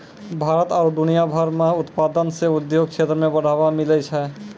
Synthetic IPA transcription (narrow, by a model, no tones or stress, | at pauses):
bʱaɾət̪aːɾɖunijabʱaɾmãʊt̪pad̪ənseud̪joɡ̚t͡ʃʰet̪ɾəmẽbəɽ̤ʱabamilɛt͡ʃʰɛ